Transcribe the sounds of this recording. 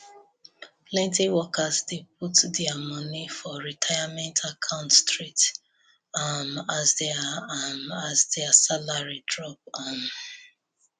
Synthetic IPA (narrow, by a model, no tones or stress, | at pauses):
plɛ̃ntiwɔkʰazdep̚utdɛamɔnifɔɹitʰaɪamɛ̃ntʰakʰãʊ̃ntstɹit | amazdeamazdɛasalaɹidɹɔp̚am